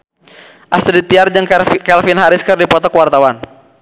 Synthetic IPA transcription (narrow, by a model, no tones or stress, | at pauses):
ʔast̪dit̪iard͡ʒɨŋkɛlfɪnɦaɾɪskɨrdipɔt̪ɔkwart̪awan